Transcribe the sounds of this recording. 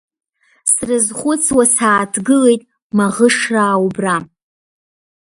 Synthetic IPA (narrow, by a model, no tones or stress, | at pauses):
srɨzχʷʊt͡sʰwasaːtʰɡɨle̞jtʼ | maʁəʂraːwubra